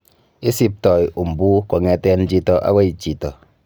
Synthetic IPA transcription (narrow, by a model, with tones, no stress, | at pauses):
i˦si˦p̚tɔ˨ju˨m̩˨bu˦kɔ˨ŋɛ˨tɛ˦n˦d͡ʒi˦tɔ˨ʔa̰˦wa˦i˨t͡ʃi˨tɔ˨